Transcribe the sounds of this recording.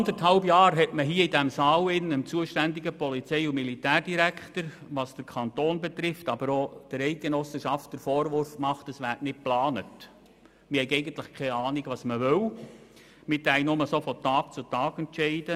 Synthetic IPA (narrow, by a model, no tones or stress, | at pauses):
ɑndəɾthɑlbjɑːɾɦɛtməɦiəidæmsɑːwɪnəmt͡suəʃtænd̪iɡəpɔlit͡sɛɪumilitæːrd̥iɾækχtəɾʋɑsd̥əɾkʰɑnt̪oːnbet̪ɾɪftɑbəɾod̥əɾɛɪk̚ɡ̥enɔsəʃɑft̚d̥əɾfɔːɾʋʊɾfmɑχtəsʋæːrtnɪt̚plɑːnət | mɪhɛɪɛɪɡənt̪ləχkʰɛɑːnɪɡʋɑːsməʋøw | mɪd̪æɪnʊməsofɔt̪ɑːkt͡sutɑːɡɛntʃɛɪd̥ə